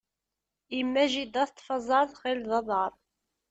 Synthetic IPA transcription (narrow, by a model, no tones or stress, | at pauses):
imːæʒid̪æθt̪ˤːfɑzˤɑɾˤðˤχɪlðˤɑðˤɑɾˤ